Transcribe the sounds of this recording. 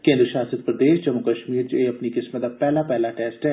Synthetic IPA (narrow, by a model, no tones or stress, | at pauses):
kẽːnd̪ɾəʃaːsət̪pɾɐd̪eːʃd͡ʒɐmːʊkɐʃmiːɾd͡ʒeɐpnikɪsmd̪apɛːlapɛɦlaʈɛːsʈɦɛː